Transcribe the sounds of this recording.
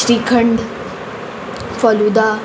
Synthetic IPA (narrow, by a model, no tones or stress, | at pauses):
ɾikʰəɳɖ | fəlud̪a